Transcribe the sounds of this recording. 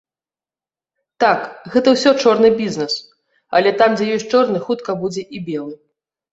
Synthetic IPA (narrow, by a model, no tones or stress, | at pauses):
t̪akɣɛt̪ɐwsʲɔt͡ʂɔrnɨbʲiznɛs | ɐ̰lʲɛt̪amd͡zʲɛjɔsʲt͡ʂɔrnɨxut̪kɐbud͡zʲɛʔibʲɛlˠɨ